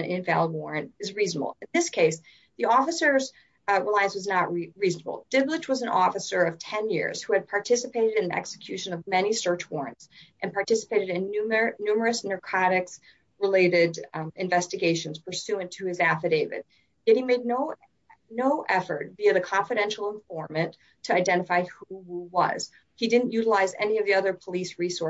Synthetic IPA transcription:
nʔɪ̃ɱvæ̰lˠəbwɔɹɨ̃nt̚ɨzɹiznəbl̩ˠɨ̃nðɪskʰeɪs | ðiɔfɨsə˞z | ɹəlaɪɨ̃nswʌznəʔ̚ɹizn̩əbl̩ˠd̥ɪblɨt͡ʃwʌzɨ̃nɔfɨsə˞ʌv̥tʰɛ̃njɪ̰ɹz̥huɨd̚pʰɑɹtʰɪsɨpʰeɪɾɨɾɨ̃nɛ̰ksɨ̥kʰj̥ʉʃɨ̃nʌvmɛñisɜ˞t͡ʃwɔɹɨ̰̃ntsʔɨ̃npʰɑɹtʰɪsə̥peɪɾɨɾɨ̃nnʉmə˞ɨsnə˞kʰɑɾɨks | ɹɨleɪɾɪɾɨ̃ɱvɛstɨɡeɪʃɨ̃nz̥pʰə˞sʉɨ̃ntʰɨɨzæfɨdeɪvɨ̰d̚ | jɛɾ̚himeɪdⁿnoʊ | noʊʔɛfə̰˞t̚biɨðɨkʰɑ̃ɱfɨɾɛ̃nʃl̩ˠə̃ɱfɔɹmɨ̃ntʰɨaɪdɛ̃ɾ̃əfaɪhuwuwʌ̰z̥ | hidɪdⁿn̩ʔjʉɾəlaɪzɛ̰niʌvðiʌðə˞pʰəlisɹisɔ

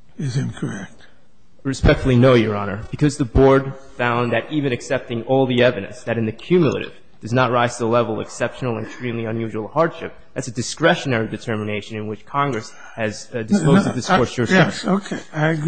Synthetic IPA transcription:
ɪzɪ̃nkʰə˞ɛk̚t̚ | ɹɨspɛk̚tfl̩ˠinoʊjə˞ɑnə˞b̥ɨkʰʌzðɨbɔɹd̥ | fãʊ̃nðɨɾʔivɨ̃nɨksɛp̚tɪ̃ŋɔlˠðiɛvɨɾɨ̰̃nsðɨɾɨ̃nðɨkʰj̥ʉmjl̩ˠə̰ɾɨ̰v | d̥ʌznət̚ɹaɪz̥tʰəlɛvl̩ˠɨ̰ksɛpʃn̩l̩ˠə̃nɨkstɹ̥ĩmliʌ̃njʉʒwl̩ˠhɑɹd̥ʃɪp̚ðætsɨdɨskɹɛʃɨnɛɹidɨtʰɜ˞mɨneɪʃɨ̃nɨ̃nwɨt͡ʃkʰɑ̃ŋɡɹɨs | ɨzdɨspoʊzdʌvðɪskɔɹsə˞ʃɛoʊkʰeɪaɪ

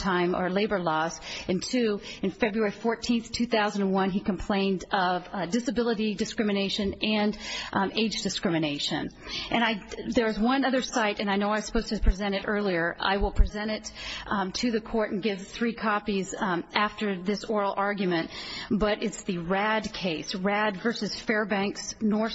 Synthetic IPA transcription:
tʰãɪ̃mə̰˞leɪbə˞lɔzɨ̃ntʰʉɨ̃nfɛbɹuɛɹifɔɹtʰĩnθtʰʉθaʊz̃ñ̩nwʌ̃nikɨ̃m̩pʰl̥ẽɪ̃ndʌvdɨsɨbɪlˠəɾidɨskɹ̥ɪ̃mɨneɪʃɨ̃nɨ̃neɪd͡ʒdɨskɹ̥ɪ̃mɨneɪʃɨ̰̃n | ʔɨ̃ɾ̃aɪðə˞zwʌ̃nʌðə˞saɪɾɨ̃ñaɪnoʊaɪsə̥pʰoʊz̥tʰɨpʰɹ̥izɛ̃ɾ̃ɨɾɜ˞lˠiə˞a̰ɪwəlˠpʰɹ̥izɛ̃ɾ̃ɪttʰɨðɨkʰɔɹɾn̩ɡɪv̥θɹikʰɑpizæftə˞ðɪsɔɹl̩ˠɑɹɡjmɨ̃ntb̥ʌɾʔɪtsðɨɹæd̚kʰeɪsɹædvɜ˞sɨz̥fɛɹbæ̃ŋksnɔɹ

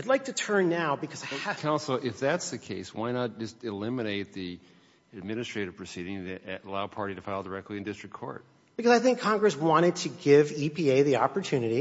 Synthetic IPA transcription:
aɪdˡlaɪk̚tɨtʰɜ̃˞nːaʊbɨkʰʌzaɪkʰãʊ̃nsl̩ˠɪfðætsðɨkʰeɪswaɪnət̚d̥ʒ̥ʌstɨlɪ̃mɨneɪt̪̚ði | ɨd̚mɪ̃nɨstɹ̥eɪɾɨv̥pʰɹ̥ɨsiɾɪ̃ŋðɨəlaʊpʰɑɹɾiɾɨfaɪlˠdə˞ɛk̚tˡliɨ̃ndɪstɹ̥ɨkʰɔ̰ɹt̚ | b̥ɨkʌzaɪθɪ̃ŋkʰːɑ̃ŋɡɹɨswɑ̃ɾ̃ɨd̚tʰɨɡɪvipʰieɪðiɑpə˞tʰʉnɨɾi

